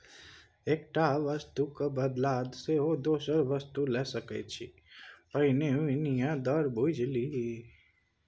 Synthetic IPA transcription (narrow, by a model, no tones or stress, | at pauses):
eːk̚ʈaʋəst̪ukabəd̪laːd̪seɦod̪oːsəɾʋəst̪ulɛsəkɛ̰t͡ʃʰḭ | pəɦineɪnijãd̪ɔɾbʱud͡ʒli